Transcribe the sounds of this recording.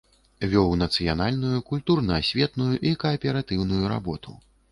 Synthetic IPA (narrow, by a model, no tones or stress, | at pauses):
vʲɔwnɐt̪sɨjanalʲnujukulʲt̪urnɐːsʲvʲɛt̪nujuʔikɐɐpʲɛɾat̪ɨwnujuɾa̰bɔt̪ṵ